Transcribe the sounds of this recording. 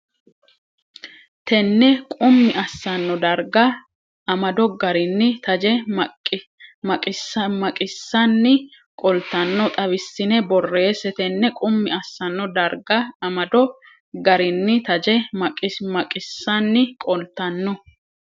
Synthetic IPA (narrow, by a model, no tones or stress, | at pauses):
t̪ɛnːɛkʼʊmːɪɐsːɐnːɔd̪ɐɾɡɐ | ʔɐmɐd̪ɔɡɐɾɪnːɪt̪ɐd͡ʒɛmɐ | mɐkʼɪsɐmɐkʼɪsːɐnːɪ | kʼɔlt̪ɐnːɔt̪ʼɐβɪsːɪnɛbɔrːe̞ːsɛt̪ɛnːɛkʼʊmːɪɐsːɐnːɔd̪ɐɾɡɐɐmɐd̪ɔ | ɡɐɾɪnːɪt̪ɐd͡ʒɛmɐkʼɪmɐkʼɪsːɐnːɪkʼɔlt̪ːɐnːɔ